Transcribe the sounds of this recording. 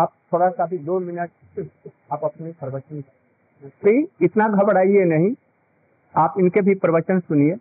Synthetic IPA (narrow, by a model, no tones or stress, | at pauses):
aːp̚t̪ʰoːɽakaːfʰid̪oːmɪnəʈ̚ | aːpɐpnipɾbət͡ʃənik | piːɪt̪naɡʱɐbɽaːienɐɦĩ | aːpɪnkebʱipɾəʋət͡ʃənsʊnie